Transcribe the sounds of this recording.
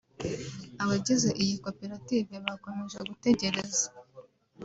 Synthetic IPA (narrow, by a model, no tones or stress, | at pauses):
aβaɟize̞ʔijiko̞peɾativeβako̞me̞ʒeɡute̞ɟe̞ɾe̞zḁ